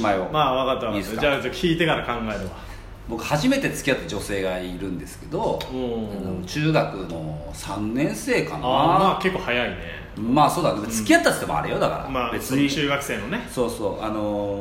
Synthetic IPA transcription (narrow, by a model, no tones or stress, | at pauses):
imaiomaːβakat̪ːaβamieskːkd͡ʑaokʲʰiːt̪e̞kaɾakãŋɡaeɾeba | bo̞kɯ̟haʑime̞t̪e̞t͡sɨ̥kʲiat̪ːad͡ʑo̞se̞ːɡaiɾɯ̟̃nd̪e̞sɨ̥ke̞d̪õ̞anot͡ɕɨːɡakɯ̟no̞ | sãnːẽ̞ɰ̃se̞ːkanmaːke̞kːohajainḛ | maːso̞ːd̪ak̪dt͡st͡sɨkʲijat̪ːat̪o̥t̪e̞mo̰a̰ɾejo̞d̪aka̰ɾa̰maːbe̞t͡sɨɲit͡ɕɨːɡakɯ̟se̞ːnoneso̞ːso̞ːʔa̰no̞